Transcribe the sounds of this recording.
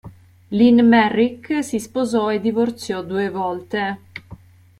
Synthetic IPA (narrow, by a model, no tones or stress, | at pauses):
linmɛrːiksispozɔed̪ivort̪sjɔd̪uːevɔlt̪e